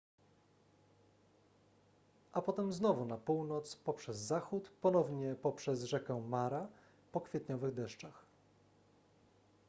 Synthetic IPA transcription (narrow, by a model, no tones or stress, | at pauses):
ʔapɔt̪ɛmznɔvunapuwnɔt̪spɔpʂɛzːaxut̪pɔnɔvɲɛpɔpʂɛzʐɛkɛmaɾa | pɔkfʲjɛt̪ɲɔvɘɣd̪ɛʂt͡ʂax